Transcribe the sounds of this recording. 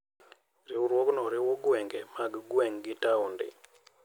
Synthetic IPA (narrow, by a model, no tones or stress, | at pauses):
ɾɪuɾwɔknɔɾɪwɔɡwɛŋɡɛmaɡɡwɛŋɡɪtaundɪ̰